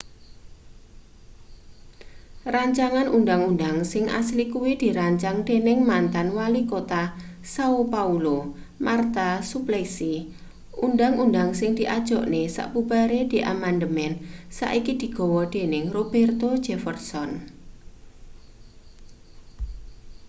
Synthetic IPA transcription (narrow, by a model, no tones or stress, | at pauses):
raɲt͡ʃaŋanʔundaŋundaŋsɪŋʔa̰slikuwid̪̥i̤ɾaɲt͡ʃaŋd̪̥enɪŋmant̪anwalikot̪a | saupaulo | mart̪asuplɛksi | ʔundaŋundaŋsɪŋd̪̥i̤ʔad̥ʒ̥ɔʔnesa̰ʔbub̥aɾed̪̥i̤ʔamand̪əmɛnsa̰ʔikid̪̥i̤ɡ̥ɔ̤wɔd̪̥e̤nɪŋrob̥ɛrt̪o̥d͡ʒ̥ɛfərsɔn